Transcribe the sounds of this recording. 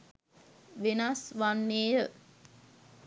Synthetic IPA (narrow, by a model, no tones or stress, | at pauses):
ʋenasʋanːeːjə